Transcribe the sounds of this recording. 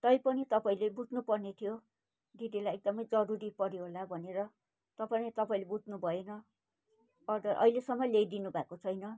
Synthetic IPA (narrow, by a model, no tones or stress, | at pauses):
t̪ʌjpʌnit̪ʌpaĩlebud͡znupʌrnet̪ʰijo | d̪id̪ilajek̚d̪ʌmʌjd͡zʌɾuɾipʌɾjoɦolabʱʌneɾʌ | t̪ʌpaĩt̪ʌpaĩlebud͡znubʱʌenʌ | ʌd̪ʌʔʌ̰ilesʌmːʌlejd̪inubʱakot͡sʰʌjnʌ